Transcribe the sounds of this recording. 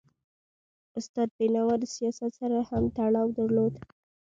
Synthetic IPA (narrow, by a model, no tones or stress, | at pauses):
ʊst̪ɑd̪̚benɑwaɾəsijɑsat̪saɾahamt̪aɽɑwd̪əɾlod̪